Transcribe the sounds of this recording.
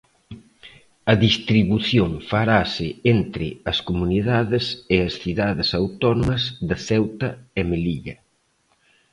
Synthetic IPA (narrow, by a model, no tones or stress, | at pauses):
ɐðist̪ɾiβuθjoŋfaɾasɪent̪ɾɪɐskomuniðaðɪsɪɐsθiðaðɪsawt̪ɔnomɐzðɐθɛwt̪ɐemeliʎɐ